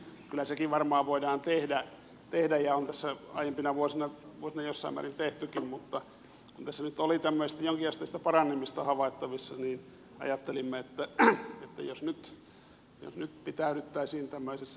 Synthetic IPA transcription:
kylæsekiʋʋɑrmɑːʋoidɑːnt̪ehdæ | t̪ehdæjjɑont̪æsːæɑ̰ijempinɑʋuosinɑʋuosinɑjosːɑ̰imæ̰rint̪eht̪ykimmut̪ːɑ | kunt̪æsːænyt̪olit̪æmːøisist̪æjoŋkiɑst̪ɑist̪æpɑrɑnːemist̪ɑhɑʋɑˑit̪ːɑʋisːɑniːn | ɑ̰jɑt̪ːelimːeet̪ːæḛt̪ːæ̰josnyt̪ | jo̰snyt̪pit̪æyɾyt̪ːæisiːnt̪æmːøisesː

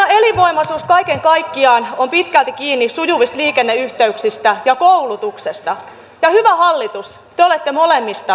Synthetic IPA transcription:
eliʋoimɑsuːskɑikeŋkɑikːiɑːnompit̪kælt̪ikiːnːisujuʋist̪liːkenːeyht̪eyksist̪æjɑkoulut̪uksest̪ɑ | jɑhyʋæhɑlːit̪us | t̪eolet̪ːemolemːist̪ɑ

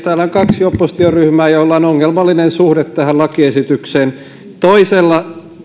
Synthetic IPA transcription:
t̪æːlːæoŋkɑksjopːost̪ioryhmæːjolːɑːnoŋːelmɑlːinensuhdet̪tæhællɑkiesit̪ykseːn | t̪oiselːɑ

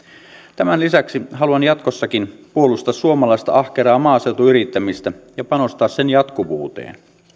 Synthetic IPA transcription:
t̪æmænlisæksiɦɑluɑnjɑt̪kosːɑkinpuo̞lust̪ɑsːuomɑlɑist̪ɑ̰ɑhke̞ɾɑːmɑːse̞wt̪uyɾit̪ːæmist̪æjɑpɑno̞st̪ɑːsse̞njɑt̪kuʋuːt̪ḛːn

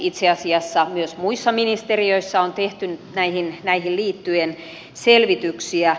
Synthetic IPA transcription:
it̪seɑsiɑsːɑmyøsmuisːɑminist̪erioisːɑont̪eht̪ynnæihinnæihilliːt̪ːyen | selʋit̪yksiæ

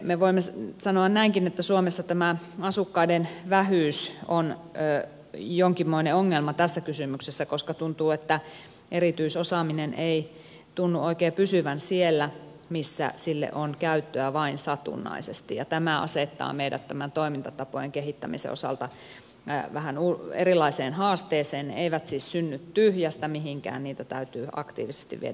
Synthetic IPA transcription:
meʋoimːesɑnoɑnnæiŋkinet̪ːæsuomesːɑt̪æmæ | ɑsukːɑidenʋæhyˑːsonøː | joŋkimːoineoŋːelmɑt̪æsːækysymyksesːækoskɑt̪unt̪uːet̪ːæ | eɾit̪yisosɑminenʔei | t̪unːuʔoikeːpysyʋænsielːæ | misːæ̰silːḛʔonkæyt̪ːøæʋɑinsɑt̪ṵnːɑ̰isest̪ijɑt̪æmæɑ̰set̪ːɑ̰ːmeidæ̰t̪t̪æmænt̪oimint̪ɑt̪ɑpo̰jeŋkehit̪ːæ̰mḭsḛo̰sɑ̰lt̪ɑ | ʋæhænuḛrilɑiseːnhɑːst̪eːseːnnḛeiʋæt̪siːssynːyt̪tyhjæst̪æmiɦiŋkæ̰ːnniːt̪æt̪æyt̪yːʔɑ̰kt̪ḭːʋise̥st̪ḭʋʋiḛ

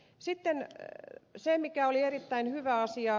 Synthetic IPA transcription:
sit̪ːen | semikæolierit̪ːæinhyʋæɑsiɑ

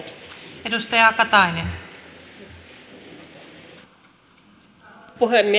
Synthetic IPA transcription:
edust̪ɑjɑkɑt̪ɑinen | puɦemːi

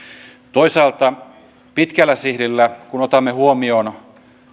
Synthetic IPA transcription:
t̪oisɑːlt̪ɑ | pit̪kælːˑæsihɾilːækunot̪ɑmːehuomion

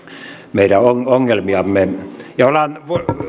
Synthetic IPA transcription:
meiɾæoŋoŋːelmiɑmːejɑolɑnʋ

